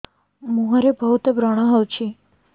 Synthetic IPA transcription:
mũɦaɾebʱəɦut̪əbɾəɽ̃aɦəwt͡ɕʰi

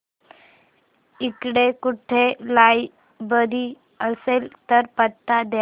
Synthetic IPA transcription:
ikɽekuʈʰelaj | bəd̪ʱi | əselt̪əɾpət̪ːad̪j

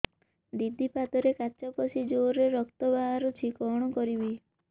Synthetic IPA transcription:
d̪id̪ʱipat̪ɔɾekat͡ʃɔpɔsid͡ʒoɾeɾɔkt̪ɔbaɦaɾut͡ʃʰikɔɽ̃ɔkɔɾibi

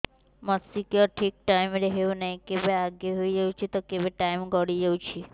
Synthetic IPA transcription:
məsikəʈʰik̚ʈaimɾəɦeũnəɦikebeaɡeɦoid͡ʒəut͡ʃʰet̪okebeʈaimɡəɽid͡ʒəũt͡ʃʰe

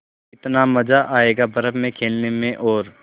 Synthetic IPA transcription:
ɪt̪namɐd͡ʒaʔaːeːɡabɐɾəbmẽkʰeːlnemẽʔɔːɾ

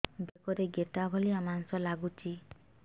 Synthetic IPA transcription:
bekɔɾeɡeʈabʱɔliamaŋsɔlaɡut͡ʃʰi

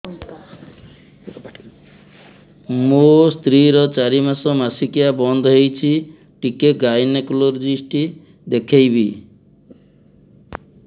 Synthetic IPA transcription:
must̪ɾiɾɔt͡ʃaɾimasɔmasikijabɔnd̪ʱɔɦejt͡ʃʰi | ʈikeɡajnekuloɾd͡ʒ̪ɾisʈi | d̪ekʰejbi

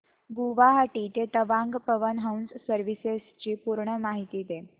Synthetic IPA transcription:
ɡuʋaɦaʈiːt̪et̪əʋãŋɡpəʋənɦawnssəɾʋisest͡ɕiːpuɾɳəmaɦit̪iːd̪e

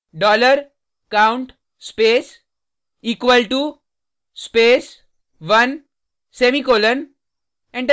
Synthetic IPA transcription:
ɖɔːləɾ | kãʊ̃ɳʈ | speːs | iːkʋəlʈu | speːs | ʋɐn | seːmikoːlən | ɛ̃ɳʈ

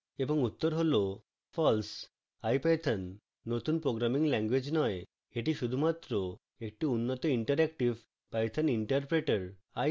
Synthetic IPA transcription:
ebɔŋut̪ːɔɾɦolo | fʰɔls | ajpajt̪ʰənː | ot̪unpɾoɡɾamiŋlɛŋɡwed͡ʑnɔj | eʈiʃud̪ʱumat̪ːɾo | ek̚ʈiunːɔt̪ɔiɳʈəɾɛkʈiʋ | pajt̪ʰəniɳʈəɾpɾeʈəɾ | aj

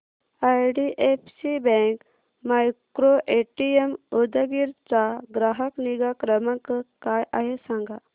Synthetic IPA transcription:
ajɖiʔefsibɛ̃ŋk | majkɾoʔeʈiemod̪əɡiɾt͡saɡɾaɦəkniɡakɾəmakkajaɦesãŋɡa

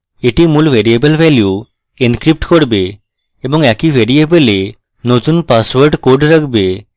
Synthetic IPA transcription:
eʈimulbʱeɾiebəlbʱɛlju | enkɾip̚ʈkoɽbe | ebɔŋɛkibʱeɾiebəle | not̪unpaswəɾɖkoɾɖɾakʰbe

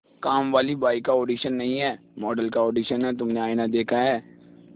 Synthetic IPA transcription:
kaːmʋaːlibaːɪkaoːɖiːʃənːɐɦĩɦɛː | mɔːɖəlkaoːɖiːʃənɦɛt̪̬ʊmnẽaːɪnad̪eːkʰaɦɛː

